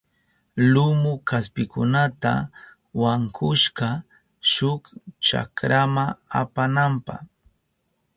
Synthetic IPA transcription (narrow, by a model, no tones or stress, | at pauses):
lʊmʊkaspɪkʊnat̪a̰ | waŋkʰʊʃɢɑ | ʃʊkt͡ʃa̰kɾamaapanampɑ̰χ